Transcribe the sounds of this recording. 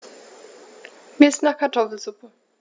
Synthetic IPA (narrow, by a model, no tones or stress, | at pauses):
viːɪstnaːχkʰaɐtʰɔfl̩zʊpə